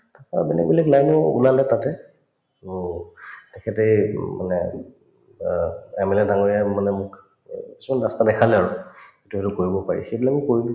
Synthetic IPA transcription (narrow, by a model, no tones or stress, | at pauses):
tapaabɛnɛ̰kbilɛklajnɔṵlalɛtatɛ | tɛkʰɛtejma̰nɛ | ɛmɛlɛdaŋoɹiamanɛmʊk | ki̥simanɹastadɛkʰalɛaɹuetuɦetʊkoɹibɔpaɹḭxejbilamukoɹibi